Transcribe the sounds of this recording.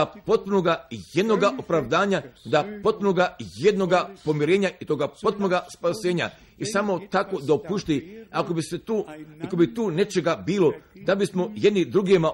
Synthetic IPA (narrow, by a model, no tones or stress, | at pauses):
apo̞t̪̚punoɡaje̞d̪no̞ɡaʔopɾaʋd̪aːɲad̪apo̞t̪̚punoɡaje̞d̪no̞ɡapo̞miɾe̞ːɲaʔit̪o̞ɡapo̞t̪̚punoɡaspase̞ːɲa̰ | isaːmo̞t̪akod̪aopuʃt̪iakobiset̪uːakobit̪uːne̞t͡ʃe̞ɡabiːlod̪abismo̞je̞d̪nid̪ɾuɡiema